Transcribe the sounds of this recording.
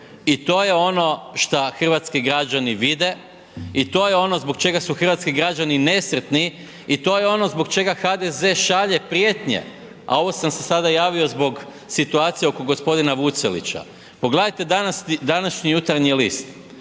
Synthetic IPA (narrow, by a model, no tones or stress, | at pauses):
it̪o̞ːjeo̞no̞ʃt̪axr̩ʋat̪skiɡɾad͡ʒaniʋid̪e̞ | it̪o̞ːjeo̞no̞zbokt͡ʃe̞ɡasuxr̩ʋat̪skiɡɾad͡ʒanine̞sr̩t̪ni | it̪o̞jeo̞no̞zbo̞ɡt͡ʃe̞ɡaxad̪e̞ze̞ʃaʎe̞pɾije̞t̪ɲḛ | a̰o̞ʋo̞samse̞sad̪ajaːʋio̞zbo̞ɡ | sit̪uaːt̪sijeoko̞ɡo̞spo̞d̪inaʋut̪selḭt͡ɕa̰ | poɡled̪ajt̪e̞d̪anasid̪anaʃɲijut̪aɾɲiliːst̪